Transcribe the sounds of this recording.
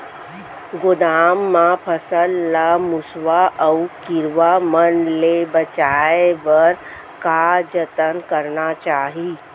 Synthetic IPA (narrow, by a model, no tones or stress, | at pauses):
ɡʊd̪aːmːãpʰəsəlːamʊsʋaʔəukɪɾʋamənlebət͡ʃaːebəɾ | kad͡ʒət̪ənkəɾnat͡ʃaːɦi